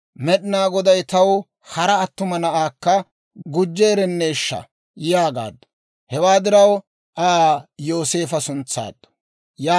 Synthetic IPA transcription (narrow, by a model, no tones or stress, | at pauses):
mɛɗɪnaːɡɔd̪ɐjt̪ɐw | hɐɾɐːt̪ːʊmɐnɐʔaːkːɐ | ɡʊd͡ʒːe̞ːɾɛnːeːʃːɐ̰ | jaːɡa̰ːd̪ːʊ̥ | hɛwaːd̪ɪɾɐw | ʔajo̞ːse̞ːfɐsʊnt͡sːa̰ːd̪ːʊ̥ | jaː